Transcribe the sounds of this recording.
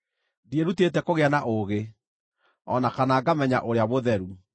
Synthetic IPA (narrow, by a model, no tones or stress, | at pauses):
dieɾutetɛkoɣeanaʔoɣe | ɔ̰nakanaːɡamɛɲa̰ʔoɾeaβoðɛɾu